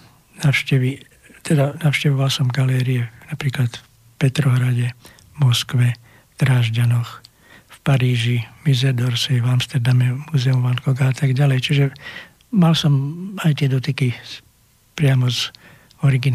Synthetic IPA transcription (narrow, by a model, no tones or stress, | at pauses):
naʊʃcɛʋi | t̪ɛd̪anaʊʃcɛʋɔʋalsɔmɡalɛːɾiɛnapɾiːklat̪f | pɛt̪ɾɔɦɾaɟɛ | mɔskʋɛ | ft̪ɾaːʒɟanɔx | fpaɾiːʒimizɛɾd̪ɔɾsivamst̪ɛɾd̪amɛmuːzɛumʋankɔɡaat̪aɡɟalɛjt͡ʃiʒɛ | malsɔmajt̪ɪɛd̪ɔt̪iki | pɾɪamɔz | ɔɾiɡin